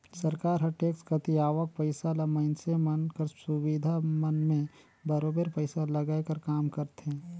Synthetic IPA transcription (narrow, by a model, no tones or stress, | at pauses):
sɐɾkaːɾɦɐʈeːkskɐt̪iaːʋək̚pɐɪsalamɐɪnsemɐnkɐɾsʊwid̪ʱamɐnmẽ | bɐɾoːbəɾpəɪsalɐɡaːjkɐɾkaːmkɐɾt̪ẽː